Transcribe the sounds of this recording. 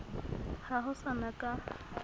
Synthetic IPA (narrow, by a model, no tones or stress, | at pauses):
haɦʊsanakʼa